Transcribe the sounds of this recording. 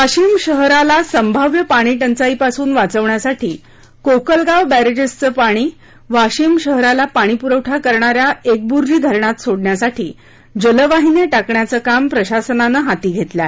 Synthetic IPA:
ʋaɕimɕəɦɾalasəmbʱəʋjəpaɽ̃iːʈənt͡saipasuːnʋat͡səʋɳjasaʈʰiː | kokəlɡaʋbæɾed͡ʑəst͡səːpaɽ̃iː | ʋaɕimɕəɦɾalapaɽ̃ipuɾəʋʈʰakəɾɳaɾjaek̚buɾɾiːd̪ʱəɾɳat̪soɽɳjasaʈʰḭː | d͡ʑələʋaɦineʈakɳjat͡səkampɾəɕasənanəɦat̪iːɡʱet̪la

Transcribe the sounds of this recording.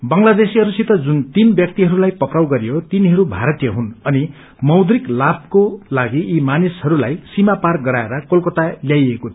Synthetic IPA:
bʌŋlad̪esiɦʌɾusit̪ʌd͡zunt̪inbjʌk̚t̪iɦʌɾulajpʌprawɡʌɾijot̪iniɦʌɾubʱaɾʌt̪ijʌɦunʌni | mʌwd̪riklab̚kolaɡiʔːmanishʌɾulajsimapark̚ɡʌɾaeɾʌkolkʌt̪aljajeko

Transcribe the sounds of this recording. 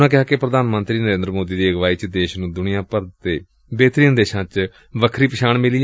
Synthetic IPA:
nãːkɪɦaːkepɾəd̪aːnmənt̪ɾiːnəɾẽːnd̪ɾəmoːd̪iːd̪iːəɡʋaːiːt͡ʃd̪eːʃnũːd̪ʊnɪjãːpəɾt̪eː | beːt̪ɾiːənd̪eːʃãːt͡ʃ | ʋəkʰɾiːpɪʃʰaːɳmɪli

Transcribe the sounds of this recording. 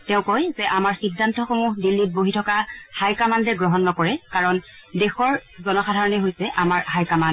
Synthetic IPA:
tɛʊ̃kojzɛʔamaɹxidʱːantɔxomuɦdilːit̚boɦitʰɔkaxajkamandɛɡɹɔɦɔnːɔkɔɹɛkaɹɔndɛxɔɹzɔnɔxadʱaɹɔnɛɦojsɛʔamaɹhajkaman

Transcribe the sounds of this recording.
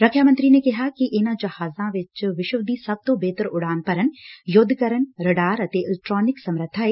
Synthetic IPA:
ɾɐkʰjaːmɐ̃nt̪ɾinekɐɦakiʔnad͡ʒɐhaːzãʋɪt͡ʃʋɪʃəʋd̪ʱisɐb̚t̪obʱeːt̪əɾʊɽaːnpɐɾənjʊd̪ʱkɐɾənɾɐɖaːɾɐt̪eɪlek̚ʈɾɔːnɪksɐmɾəd̪ʱaːe

